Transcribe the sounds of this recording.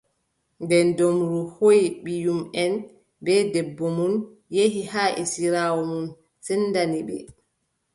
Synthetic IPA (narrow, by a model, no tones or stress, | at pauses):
ndɛndomɾuhojiɓijumɛn | bɛdɛbːɔmun | jeɦihaːʔɛ̰siɾawɔmun | sɛnːdaniɓɛ̰